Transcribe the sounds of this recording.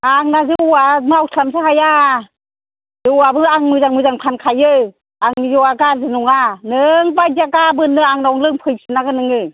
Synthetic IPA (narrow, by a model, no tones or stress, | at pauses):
aŋnazɯamɯawtʰamsʰɯɦaja | zɯwabɯaŋmɯzaŋmɯjzaŋpʰankʰajɯ | aŋzɔwaɡazɯnɔŋanɯŋbazaɡabɯnːɯaŋnaɔŋlɯŋpʰɯjsinaɡɯnɯŋɯ